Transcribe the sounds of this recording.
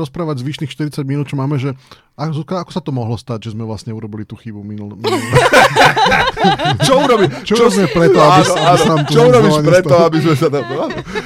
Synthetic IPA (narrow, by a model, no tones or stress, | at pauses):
ɾɔspɾaːʋaɟzʋiːʃniːxʃt̪iɾit͡saɟminuːt̪t͡ʃɔmaːmɛʒɛ | azuːkɾaakɔ̥sat̪ɔmɔɦlɔst̪aɟʒɛzmɛʋlasɲɛuɾɔbilit̪uːxibuminul | t͡ʃɔuɾɔbit͡ʃɔuɾɔzɛmɛpɾɛt̪ɔabisaaisnamt̪uɔuɾɔbiʋaɲɾɛt̪ɔabizmɛsat̪aanɔ